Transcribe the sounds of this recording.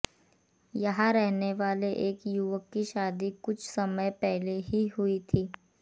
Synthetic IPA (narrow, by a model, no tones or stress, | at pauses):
jɐɦãɾɛɦneʋaːleʔeːkjʊʋəkːiʃaːd̪ikʊt͡ʃʰsɐməjpɛɦleɦiɦʊit̪ʰiː